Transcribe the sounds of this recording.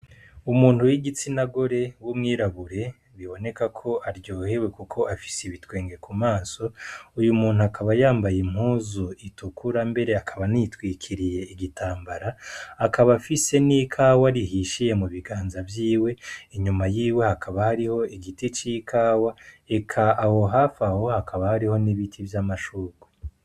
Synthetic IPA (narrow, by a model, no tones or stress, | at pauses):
umuːn̥hujiɡit͡sinaɡo̞ɾe̞wumŋiːɾaβuɾe̞ | βiβo̞ne̞kakʰo̞ʔaɾɟo̞ːhe̞we̞kukʰo̞ʔafi̥siβitwe̞ːŋɡe̞kumaːso̞ujumuːnhuakʰaβajaːmbajim̥huːzoitukuɾambe̞ɾe̞akʰaβanitwiːkʰiɾije̞iɡitaːmbaɾaːkaβafise̞niːkʰaːwaɾihiʃije̞muβiɡaːnzavjiːwe̞iɲumajiːwe̞hakʰaβahaɾiho̞iɡitit͡ʃikʰaːwae̞kʰaaho̞ɦafaho̞hakʰaβahaɾiho̞niβitʰivjamaʃuːɡu̥